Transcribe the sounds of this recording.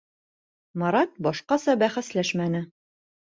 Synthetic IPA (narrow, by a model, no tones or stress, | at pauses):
mɑɾɑt̪̚bɒʃqɑsɑbæχæslæʃmænɘ